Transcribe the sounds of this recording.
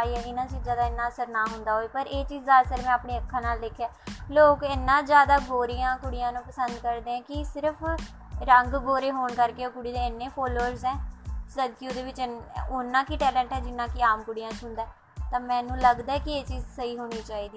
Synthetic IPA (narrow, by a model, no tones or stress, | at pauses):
aiːɛːɪnãːt͡ʃiːd͡ʒãːd̪aːɪnːãːəsəɾnaːɦʊnd̪aːɦoːeːpəɾʔeːt͡ʃiːzd̪aːsəɾmɛ̃ːaːpɳeːəkʰːãːnaːlːɪkʰjaːloːkɛnːãːd͡ʒjaːd̪aːɡoːɾɪjãːkʊɽɪjãːnũːpəsənd̪kəɾd̪eːãːkɪsɪɾəpʰ | ɾəŋɡɡoːɾeːɦoːɳkəɾkeːokʊɽiːd̪eːɪnːeːpʰɔːloːəɾzɛ̃ːsəd̪kiod̪eːʋɪt͡ʃʊnːãːkiʈɛːlɛ̃ːɳʈɦɛːd͡ʒɪnːãːkiaːmkʊɽɪjãːsʊnd̪aɛː | t̪ãːmɛ̃ːnũːləɡd̪aːɛːkɪeːt͡ʃiːzsəiːɦoːñiːt͡ʃaːiːd̪iː